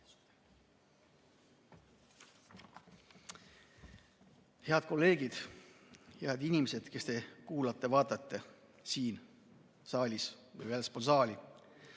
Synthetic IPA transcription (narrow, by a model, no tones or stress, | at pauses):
he̞ɑd̪̥ko̞lːe̞ːɡ̥id̪̥ | heɑd̪̥inʲimese̞d̪̥ke̞st̪e̞kuːlɑt̪ˑːe̞vɑːt̪ˑɑt̪ˑːe | siːn | sɑːlʲis | vɯ̰jvelsponsɑːlʲi